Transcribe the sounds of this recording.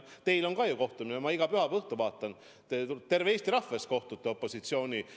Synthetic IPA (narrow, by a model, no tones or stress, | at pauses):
t̪e̞jlo̞nkɑjuko̞ht̪uminemɑiɡ̥ɑpyɦɑpɤht̪uvɑːt̪ːˑɑn | t̪et̪e̞rveeːst̪iɾɑfvesko̞ht̪ut̪ːˑeo̞pːˑo̞sit̪sio̞ːnʲi